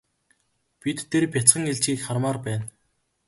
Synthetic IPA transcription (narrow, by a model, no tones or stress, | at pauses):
pit̪ʰːerpʲjat͡sχə̆ŋeɮt͡ɕɡiːkχarmaːrpæːn